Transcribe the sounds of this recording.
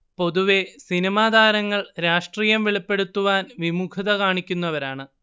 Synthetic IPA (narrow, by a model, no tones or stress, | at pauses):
po̞ðuʋe̞sinɐmaːd̪ʱaːɾɐŋːɐɭɾaːʂʈriːjɐmʋeɭipːe̞ɽut̪ːuʋaːnʋimukʰɐðɐkaːɳikʲːunːɐʋɐɾaːɳɨ